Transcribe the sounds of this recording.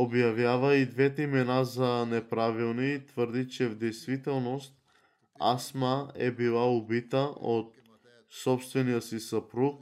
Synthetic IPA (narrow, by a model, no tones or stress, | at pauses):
objavjavaid̪vɛt̪ɛimɛnazanɛpɾavilˠniːt̪vəɾd̪it͡ʃɛvd̪ɛjst̪vit̪ɛlˠnost̪̚ | a̰smaɛbilˠaubit̪aot̪̚ | sɔpst̪vɛnijəsisapɾuk̚